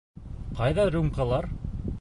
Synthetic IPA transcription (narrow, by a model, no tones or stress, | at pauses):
qɑjðɑɾumqɑlˠɑɾ